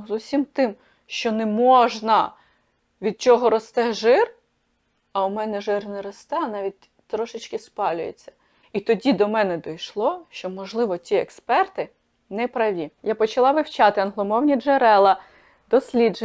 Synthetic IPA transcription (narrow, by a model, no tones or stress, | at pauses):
zusʲimt̪ɪm | ʃt͡ʃɔnɛmɔʒnɐ | ʋʲid̪̚t͡ʃɔɦɔɾɔst̪ɛʒɪr | ɐʊmɛnɛʒɪrnɛɾɔst̪ɛɐnɑʋʲit̚ʲ | t̪ɾɔʃɪt͡ʃkɪspɑlʲʊ̰jḛt͡sʲːɐ̥ | it̪ɔdʲid̪ɔmɛnɛd̪ɔjʃlˠɔʃt͡ʃɔmɔʒlˠɪʋɔtʲiɛkspɛrt̪ɪ | nɛpɾɐʋʲijapɔt͡ʃɐlˠɑʋɪwt͡ʃɑt̪ɪɐnɦlˠɔmɔwnʲid͡ʒeɾɛlˠɐ | d̪ɔsʲlʲid͡ʒ